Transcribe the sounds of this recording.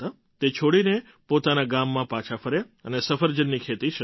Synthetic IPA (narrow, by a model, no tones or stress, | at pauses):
t̪a | t̪et͡ʃʰoɽine | pot̪anaɡamːãpãt͡ʃʰafʰəɾe | ənesəfəɾd͡ʒənːikʰet̪iʃə